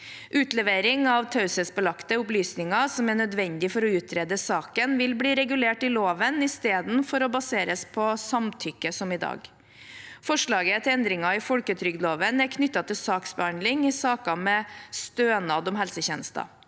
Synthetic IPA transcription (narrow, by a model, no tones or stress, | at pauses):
ʔʉːt̪lɛʋeːɾɪŋɑʋt̪ʰɑʉsəsbəlɑkt̪əʊplyːsnɪŋɑsɔmæɳœd̪ʋɛnd̪ɪfɔɾɔʉːt̪ʰɾeːd̪əsɑːkənʋɪlbliːɾɛɡʉleːʈɪloːʋənɪst̪eːd̪nfɔɾɔbɑseːɾəspʰɔsɑmt̪ʰʏkːəsɔmɪd̪ɑ̰ːɡ | fɔʂɭɑːɡət̪ʰɪɛnd̪ɾɪŋɑɪfɔlkət̪ʰɾʏɡd̪loːʋənæɾkʰnʏt̪ːɑt̪ʰɪlsɑːksbəhɑnd̪lɪŋɪsɑːkɑmɛst̪øːnɑd̪ɔmɦhɛlsəçɛːnəst̪ɑ̰